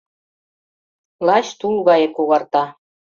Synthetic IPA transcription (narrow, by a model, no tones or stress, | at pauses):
lˠɑɕt̪ulɣɑjĕkoɣɑrt̪ɑ